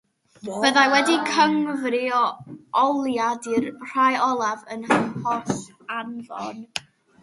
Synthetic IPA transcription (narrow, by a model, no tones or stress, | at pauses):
b̥əðajwɛdikʰəŋvriɔɔlˠjadirr̥ajɔlˠavənpɔs | anðɔ̰n